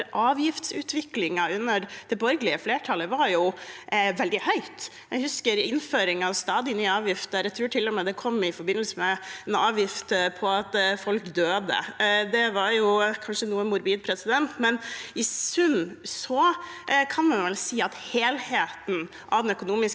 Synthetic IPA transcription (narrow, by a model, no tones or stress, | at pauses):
ɾʔɑːʋjɪft̪sʉːt̪ʋɪklɪŋɑʉnːəɾd̪̥ɛbɔɾɡəlɪəfleːʈʰɑləʋɑɾjʊ | ʋɛld̪ɪhœʏt̪ | jɛɡhʉskəɾɪnføːɾɪŋɑʋst̪ɑːd̪ɪnyːəɑːʋjɪft̪əɾɛɡt̪ʰɾʉːʈʰɪlːɔmɛd̪ɛkʰɔmːɪfɔɾbɪnəlsəmɛɛnɑːʋjɪft̪pʰɔɑt̪fɔlkd̪øːd̪ə̰d̪ɛʋɑɾjʊkʰɑnʂənuːənmʊɾbiːd̪̚pʰɾɛsɪd̪ɛnt̪mɛnɪʉnsɔkʰɑnmɛnʋɛlsiːɑt̪heːlheːt̪n̩ | ʔɑʋd̪ɛnœkʊnuːmɪs